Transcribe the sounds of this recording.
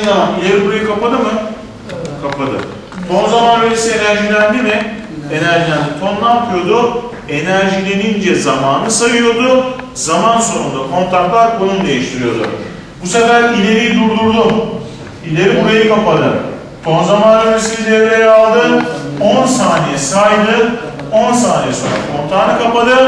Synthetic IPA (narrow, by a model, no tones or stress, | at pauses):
nanamilʲeɾibuɾajɯkʰapad̪ɯmɯ | kʰapʰad̪ɯ̰ | t̪ʰonzamanbelʲesienæɾʒilʲænd̪imɪ | e̞næɾʒilʲænd̪it̪ʰo̞nlˠampʰɯjo̞d̪u | e̞næɾʒilʲenind͡ʒɛzamaːnɯsajɯjo̞d̪u | zamansonund̪akʰo̞nt̪ʰaɾt̪lˠaɾkʰonund̪e̞jiʃt̪ʰiɾijo̞d̪ṵ | busefæɾilʲe̞ɾijd̪uɾd̪uɾd̪u | ilʲeɾibeɾikapad̪ɯ | t̪ʰo̞nzamaːnøɾesibilʲeɾlejalˠd̪ɯo̞nsaːnijɛsajd̪ɯ | o̞nsaːnijɛso̰nɾa̰kʰo̞nt̪ʰaːɾnɯkʰapad̪ɯ